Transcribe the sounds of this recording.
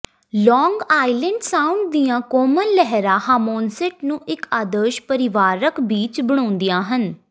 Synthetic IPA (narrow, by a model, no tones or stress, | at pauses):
lɔːŋɡaːɪlə̃ɳɖsaːʊɳɖ̚d̪ijãːkoːmənlɛɦɾãːhaːmoːnsɛʈnũːʔɪkaːd̪əːʃpəɾɪʋaːɾəkbiːt͡ʃbəɽ̃ɔ̃ːnd̪ijãːɦən